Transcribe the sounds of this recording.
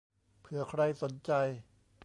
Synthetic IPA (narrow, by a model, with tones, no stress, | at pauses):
pʰɯ˩˦ɐkʰɾa˧jso˩˦nt͡ɕa˧j